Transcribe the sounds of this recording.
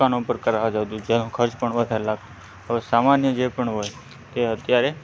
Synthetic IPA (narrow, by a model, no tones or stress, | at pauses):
anopəɾkəɾaɦd͡ʒat̪ũd͡ʒenũkʰəɾt͡ʃpəɳʋəd̪ʱaɾlaɡt̪ũ | ɦəʋesamanjəd͡ʒepəɳɦoj | t̪eət̪jaɾe